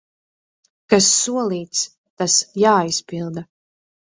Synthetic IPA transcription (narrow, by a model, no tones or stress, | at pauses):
kasːuɔlˠiːt̪s | t̪asjaːispilˠd̪a